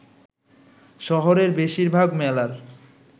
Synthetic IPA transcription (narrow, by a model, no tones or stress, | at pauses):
ʃɔɦoɾeɾbeʃiɾbʱaɡmɛlaɾ